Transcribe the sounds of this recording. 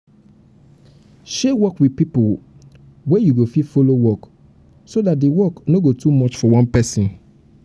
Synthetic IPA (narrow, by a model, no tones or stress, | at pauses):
ʃewɔkwidpipo | wɛjuɡofifolowɔk | sodatdewɔknoɡotumɔt͡ʃfɔwɔ̃npɛsĩn